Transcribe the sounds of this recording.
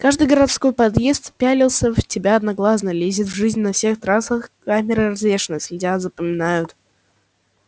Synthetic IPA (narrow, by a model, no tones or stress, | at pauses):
kaʐd̪ɨjɡəɾɐt̪sko̞jpɐd̪je̞st̪pʲælʲɪlˠsʲəvtʲɪbʲaɐd̪nɐɡlˠas̬nəlʲezʲɪt̪vʐɨzʲnʲnɐfsʲe̞xt̪ɾasəxkamʲɪɾɨrɐzlʲe̞ʂɨnəsʲlʲɪdʲat̪zəpəmʲɪnajʊt̪